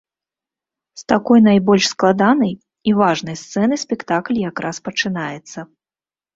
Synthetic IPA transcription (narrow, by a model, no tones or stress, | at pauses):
st̪akɔjnajbɔlʲʂsklˠad̪anɐj | ivaʐn̪ɐjst̪sɛnɨsʲpʲɛkt̪aklʲjakɾʔaspɐt͡ʂɨnajɛt̪sːɐ